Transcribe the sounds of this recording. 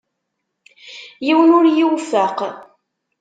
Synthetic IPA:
jiwənʊɾjiwfæq

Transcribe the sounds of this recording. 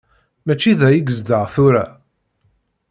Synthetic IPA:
mæt͡ʃːiðæjəɡəzd̪əʁθʊɾæ

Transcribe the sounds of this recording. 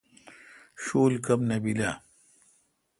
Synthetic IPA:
ɕoːlkɐmnɐbila

